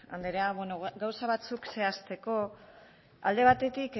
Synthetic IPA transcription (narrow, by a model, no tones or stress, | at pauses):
a̰nd̪eɾeaβwenoɡawsaβ̞at͡sukse̞ast̪e̞ko̞ | a̰ld̪e̞βat̪e̞t̪ik